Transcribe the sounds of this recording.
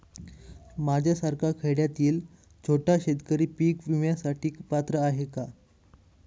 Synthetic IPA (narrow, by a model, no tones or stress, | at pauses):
mad͡ʑʱjasaɾkʰakʰeɽjat̪iːl | d͡zʰʱoʈaɕet̪kəɾiːpiːkʋimjasaʈiːkpat̪ɾəaɦeka